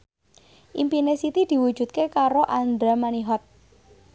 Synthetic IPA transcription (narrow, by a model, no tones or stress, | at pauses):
ʔimpinesit̪id̪̥i̤wu̥ʒ̥ṳt̪̚kekaɾoʔand̪ɾamaniɦɔt̪̚